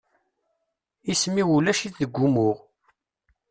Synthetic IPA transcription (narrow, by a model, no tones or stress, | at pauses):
ismiulæʃiθðəɡʷːumʊʁ